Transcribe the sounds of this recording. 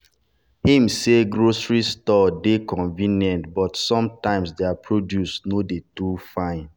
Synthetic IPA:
hĩmseɡɹosɹistɔdekɔ̃nvĩnjɛ̃ntbɔtsɔ̃mtãɪ̃msdeapʰɹodjusnodetufãɪ̃n

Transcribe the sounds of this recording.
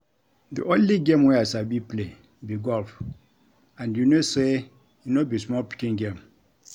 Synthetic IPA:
dḭʔõnliɡẽmwɛasabipʰle | biɡɔlf | ãnjunose | junobismɔlpʰi̥kĩnɡẽm

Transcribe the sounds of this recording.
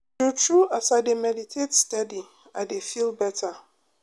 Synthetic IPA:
tutʰɾuʔasademɛditʰetstadi | adefilbɛtʰa

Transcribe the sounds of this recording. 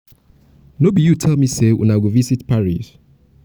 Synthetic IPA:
nobijutʰɛlˠmisewʔɛ̰̃naɪwivisitpaɹis

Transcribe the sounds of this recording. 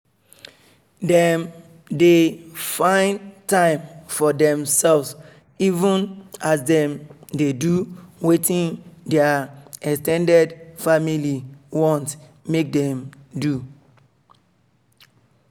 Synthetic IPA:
dɛ̃m | defãɪ̃ntãɪ̃mfɔdɛ̃msɛlvs | ivũnasdɛ̃mdeduwetĩndɛaɛkstɛ̃ndɛdfamiliwɔ̃ntmek̚dɛ̃mdu

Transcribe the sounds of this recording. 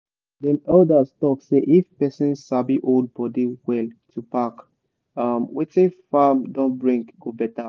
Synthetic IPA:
dɛ̃nɔdastɔkseʔifpɛsĩnsabiʔold̚bɔdiwɛltʰupak | amwetĩnfamdɔ̃nbɹĩŋɡɡobɛta

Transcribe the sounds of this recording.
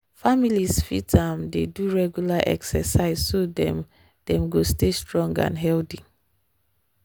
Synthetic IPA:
familisfḭtãmdeduɹɛɡjulaʔɛ̰ksɛsaɪzsodɛ | d̥ɛ̃mɡostestɹɔ̃ŋɡã̰nɦɛldi

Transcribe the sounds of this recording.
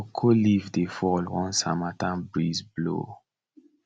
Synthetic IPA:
kʰolivdefɔlwɔ̃nsamatãnbɹizblo̰

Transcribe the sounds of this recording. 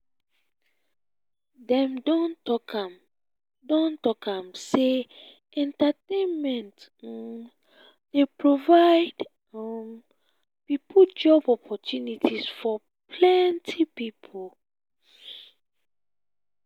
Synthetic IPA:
dɛ̃mdɔ̃ntɔkam | dɔ̃ntɔkãmse | ɛ̃ntatẽnmɛ̃nt | d̥epɹovaɪd | m | pipʰud͡ʒɔbɔpʰɔtʰjunitʰisfɔ | pʰlɛntʰipipʰol

